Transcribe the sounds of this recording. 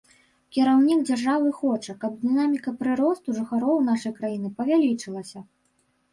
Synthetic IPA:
kʲiɾawnʲiɡd͡zʲarʐavɨxɔt͡ʂɐkɐbd̪ɨnamʲikɐpɾɨɾɔst̪uʐɨxaɾɔwnaʂɐjkɾajinɨpɐvʲalʲit͡ʂɨlˠɐsʲɐ

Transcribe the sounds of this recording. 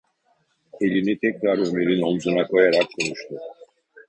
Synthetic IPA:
e̞lʲinit̪ʰɛcɾaɾømeɾino̞mzunakʰo̞jaɾakkːʰonuʃt̪ʰu

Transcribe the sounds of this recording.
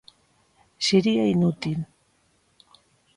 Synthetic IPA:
seɾiainut̪il

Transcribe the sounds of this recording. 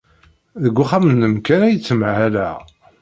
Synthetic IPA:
ðəɡʷːʊχamənːəmkænæjət͡sːəmʕʕæɾæ

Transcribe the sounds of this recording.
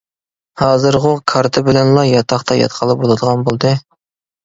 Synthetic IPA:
hɑːzɨɾʁokʰɑɾt̪ʰɨbɪlɛnlˠɑjɑt̪ʰɑχt̪ʰɑjɑ̰t̪qʰəlˠɨp̚bolˠɨd̪əʁɑnbolˠd̪ɨ

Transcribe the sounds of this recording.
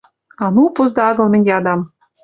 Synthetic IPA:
ɑnupɤ̆zd̪ɑɑɣɤ̆lˠmɘ̆nʲɡʲeɑd̪ɑm

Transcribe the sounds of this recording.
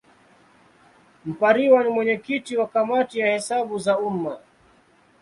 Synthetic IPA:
m̩paɾiwanimwɛɲɛkitiwakamatijahɛsaɓuzauma

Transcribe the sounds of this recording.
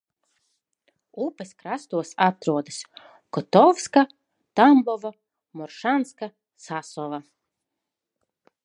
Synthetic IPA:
upɛskɾast̪uɔsat̪ɾuɔd̪as | kɔt̪ɔfska | t̪ambɔva | mɔɾʃanska | sasɔva

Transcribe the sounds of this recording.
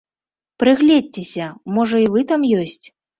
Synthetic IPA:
pɾɨɣlʲɛd̚ʲt͡sʲesʲɐmɔʐɐivɨt̪amjɔsʲt͡sʲ

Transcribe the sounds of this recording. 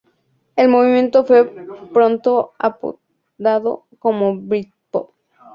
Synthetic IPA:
e̞lmoβimjẽ̞nt̪ofwe̞pɾont̪oa̰po̰ | d̪aðo̰ | komoβɾit̪̚po̰p̚

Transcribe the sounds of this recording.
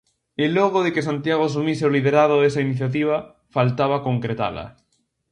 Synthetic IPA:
elɔɣ̞oðekesant̪jaɣoas̬umiseolið̞eɾaðoðes̬ainiθjat̪̬iβ̞ɐ | falt̪aβ̞akoŋkɾet̪a̰lɐ̰

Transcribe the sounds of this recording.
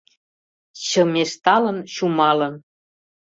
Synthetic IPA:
t͡ɕɤ̆meʃt̪ɑlə̆nɕumɑlɤ̆n

